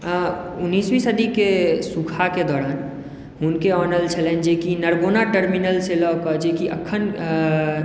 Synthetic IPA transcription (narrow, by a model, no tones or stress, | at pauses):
unːiːswisəd̪ʱikesukʰaked̪ɔːɾaːn | ɦunkeɔːnəlt͡ʃʰəlend͡ʒekinəɾbonaʈəɾminəlselɔkɔd͡ʒekiʔəkʰːən